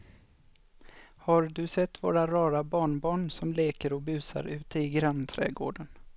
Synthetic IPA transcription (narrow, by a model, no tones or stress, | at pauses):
haɾd̪ɵsɛt̪ːvo̰ːɾaɾɑːɾabɑːɳbɑːɳsɔmleːkəɾɔbʉ̟ːsa̰ɾʉ̟ːt̪əɪɡɾant̪ʰɾɛ̰ːɡo̰ːɖən